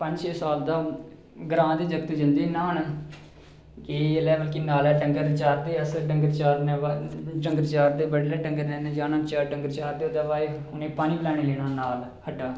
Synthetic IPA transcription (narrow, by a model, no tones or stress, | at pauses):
pəɲd͡ʒʃeːsaːld̪aː | ɡəɾãːd̪eːd͡ʒəkt̪ːd͡ʒɪnd̪iːnaːɦən | eːlɛːʋəlkiːnaːlɛːʈəŋɡəɾt͡ʃaːɾd̪eːəsʈəŋɡəɾt͡ʃaːɾnɛːʈəŋɡəɾt͡ʃaːɾd̪eːbəɽlɛːʈəŋɡəɾnɛːnɛːd͡ʒaːnãːt͡ʃaːʈəŋɡəɾt͡ʃaːɾd̪eːd̪aːʋaːe | ʊnẽːpaːniːpəlaːɽ̃iːleːnãːnaːl | həɖaː